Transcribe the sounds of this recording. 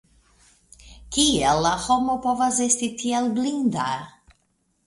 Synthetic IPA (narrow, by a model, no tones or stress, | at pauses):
kielːahomopovasestit̪ielblind̪a